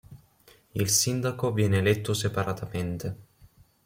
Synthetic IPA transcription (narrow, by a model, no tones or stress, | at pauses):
ilsind̪akovjɛːneːlɛt̪ːosepaɾat̪ament̪e